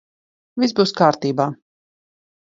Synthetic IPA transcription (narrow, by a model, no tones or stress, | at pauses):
vʲizbuːskaːɾt̪iːbaː